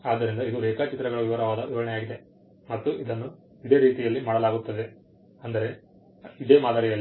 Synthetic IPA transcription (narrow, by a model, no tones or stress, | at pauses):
aːd̪ːɐɾind̪ɐid̪uɾeːkat͡ʃit̪ːɾɐɡɐɭʋiʋɐɾɐʋaːd̪ɐʋiʋɐɾɐɳɛjaːɡid̪e̞ | mɐt̪ːuʔid̪ɐnːu | iɽe̞ːɾiːt̪ijɐlːimaːɽɐlaːɡut̪ːɐd̪e̞ | ɐnd̪ɐɾe̞ | id̪e̞ːmaːd̪aːɾijɐlː